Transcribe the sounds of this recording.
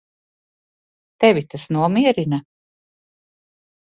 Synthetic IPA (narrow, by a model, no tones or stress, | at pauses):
t̪ɛvʲit̪asnuɔmiɛɾina